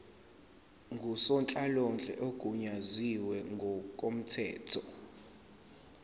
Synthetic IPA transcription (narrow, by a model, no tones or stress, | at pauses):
ŋɡʱusɔnt͡ɬʼalɔnd͡ɮʱɛ̰ʔokʼuɲaziwɛŋɡʱɔkʼom̩tʰɛːtʰɔ